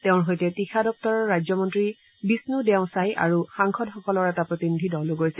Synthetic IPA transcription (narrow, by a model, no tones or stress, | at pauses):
tɛʊ̃ɹɦojtɛtixʰadɔp̚tɔɹɔːajzɔmɔntɹi | bisnudɛʊ̃saja̰ɹuxaŋkxɔdxɔkɔlɔɹɛtapɹotinidʱidɔloɡojsɛ